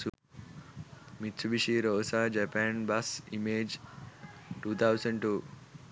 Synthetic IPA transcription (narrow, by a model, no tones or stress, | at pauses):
mit̪ːsubiʃiɾoːsad͡ʒɐpaːnbɐsḭmeːd͡ʒ | ʈuːt̪ʰawsɐɳɖʈu